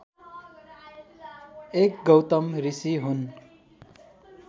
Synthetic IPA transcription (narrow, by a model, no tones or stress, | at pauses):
ekɡʌwt̪ʌmrisiɦun